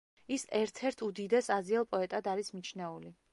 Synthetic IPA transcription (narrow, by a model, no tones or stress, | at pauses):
isɛɾt̪ʰɛɾt̪ʰud̪id̪ɛsazialˠpʼɔɛt̪ʼad̪aɾismit͡ʃʰnɛuli